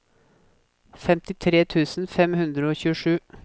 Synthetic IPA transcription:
fɛmt̪ɪt̪ʰɾeːt̪ʰʉːsn̩fɛmhʉnd̪ɾəoːçʉːəʂʉː

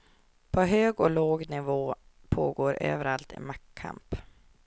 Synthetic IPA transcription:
pʰɔɦøːɡɔloːɡnɪvoːpʰoːɡoːɾø̰ːvəɾalt̪ɪ̰makʰːa̰mp

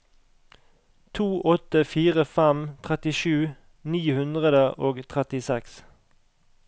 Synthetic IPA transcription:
t̪ʰuːʔɔt̪əfiːʁəfæmt̪ʰʁɛt̪ɪʃʉː | niːhʉnd̪ʁəd̪əʔoːɡt̪ʰʁɛt̪ɪsɛks

